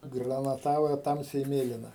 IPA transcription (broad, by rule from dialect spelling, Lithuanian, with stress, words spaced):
ɡrɐnɐˈtɑːʋɐ ˈtɐmʲsʲɛɪ ˈmʲeːlʲɪnɐ